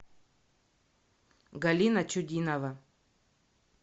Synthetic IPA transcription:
ɡɐlʲinɐt͡ʃʊdʲinɐvɐ

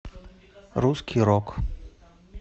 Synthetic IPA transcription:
ɾuskʲʰiɾɔk

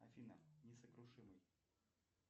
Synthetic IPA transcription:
ɐ̰fʲina̰nʲɪsəkɾʊʂɨmɨj

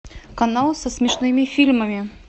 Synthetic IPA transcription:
kɐnalˠsəsmʲɪʂnɨmʲɪfʲilʲməmʲɪ

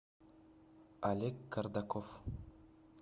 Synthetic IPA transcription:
alʲekːard̪akof

